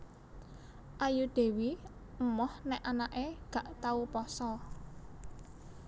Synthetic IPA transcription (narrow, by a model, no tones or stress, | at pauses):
ʔajud̪̥e̤wi | əmɔhnɛʔanaʔeɡ̥ä̤ʔt̪aupɔsɔ